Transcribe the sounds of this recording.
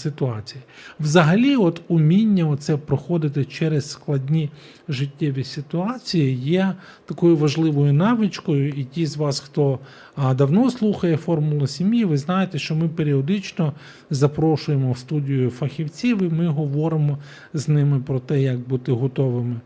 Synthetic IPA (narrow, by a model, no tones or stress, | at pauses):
sɪt̪ʊɑt͡sʲijiwzɐɦɐlʲiɔt̪ʊmʲinʲːɐɔt̪t̪sɛpɾɔxɔd̪ɪt̪ɪt͡ʃɛɾessklˠɐdʲnʲi | ʒɪtʲːɛʋʲisʲɪt̪ʊɑt͡sʲijijɛ | t̪ɐkɔjʊʋɐʒlˠɪʋɔjʊnɑʋɪt͡ʃkɔjʊitʲizʋɑsxt̪ɔ | d̪ɐwnɔslˠuxɐjɛfɔrmʊlˠɐsʲimʲjiʋɪznɑjet̪eʃt͡ʃɔmɪpeɾʲiɔd̪ɪt͡ʃnɔ | zɐpɾɔʃʊjemɔwst̪udʲijjʊfɐxʲiwt͡sʲiʋimɪɦɔʋɔɾɪmɔ | znɪmɪpɾɔt̪ɛjɐɡ̚but̪ɪɦɔt̪ɔʋɪmɪ